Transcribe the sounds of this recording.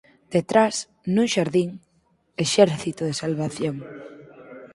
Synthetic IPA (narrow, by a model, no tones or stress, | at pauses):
d̪̥et̪ɾas | nũŋʃaɾðiŋ | eʃɛɾθit̪oðesalβaθjoŋ